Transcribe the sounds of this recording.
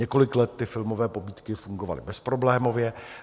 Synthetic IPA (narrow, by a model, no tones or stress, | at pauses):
ɛko̞lɪklɛt̪ːɪfɪlmo̞vɛːpobiːt̪kɪfuŋɡo̞va̰lɪ̰bɛspɾo̞blɛːmo̞vjɛ